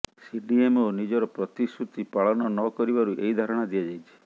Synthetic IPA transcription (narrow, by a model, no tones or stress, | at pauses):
siɖiemonid͡ʒɔɾɔpɾɔt̪isut̪ipaɭɔnɔnɔkɔɾibaɾuʔeɦid̪ʱaɾɔɽ̃ad̪ijad͡ʒajt͡ʃʰi̥